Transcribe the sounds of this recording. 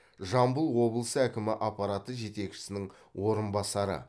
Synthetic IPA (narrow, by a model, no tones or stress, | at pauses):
ʒɑmbəlˠwo̞blˠəsəækʲɪmɪʔɑpːɑɾɑt̪əʒe̞t̪e̞kʃɪ̥sɪnɪŋ | wʔo̞ɾənbɑsɑɾə̰